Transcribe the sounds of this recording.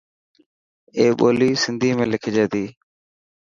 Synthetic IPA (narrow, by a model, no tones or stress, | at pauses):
eːɓoːliːsɪnd̪ʱiːmẽːlɪkʰd͡ʒeːt̪iː